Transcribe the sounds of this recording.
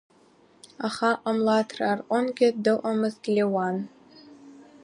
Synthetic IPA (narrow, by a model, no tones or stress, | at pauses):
aχaʔamlatʰrarʔʷanɡʲɪdɨʔʷʼamɨztlʲewan